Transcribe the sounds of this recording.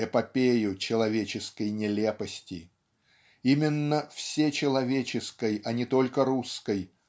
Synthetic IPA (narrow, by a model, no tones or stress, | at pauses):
ɛpɐpʲejʊt͡ɕɪlˠɐvʲet͡ɕɪskəjnʲɪlʲepəsʲtʲɪ | imʲɪnːəfsʲet͡ɕɪlˠɐvʲet͡ɕɪskəjɐnʲɪt̪o̞lʲkəɾuskəj